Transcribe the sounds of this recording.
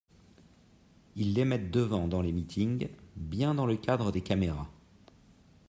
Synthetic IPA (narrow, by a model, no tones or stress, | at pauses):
ilːemɛt̪̚d̪əvɑ̃d̪ɑ̃lemit̪ʰiŋbjɛ̃d̪ɑ̃ləkad̪ʁəd̪ekameʁa